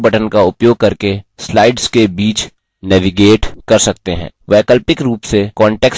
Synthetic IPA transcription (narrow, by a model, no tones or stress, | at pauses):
bɐʈʰənkaʊpjoːɡ̚kɐɾkeslaːɪɖzkebiːt͡ʃ | nɛːʋiɡeːʈkɐɾsɐk̚t̪eɦɛ̰̃ːʋɛːkəlpɪkɾuːpsekɔ̃ːɳʈɛːks